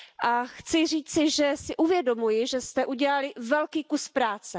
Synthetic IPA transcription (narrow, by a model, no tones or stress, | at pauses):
ʔaxt͡sɪr̝iːt͡sɪʒɛsɪʔuvjɛdo̞mujɪʒɛst̪ɛʔuɟɛlalɪvɛlkiːkuspɾaːt͡sɛ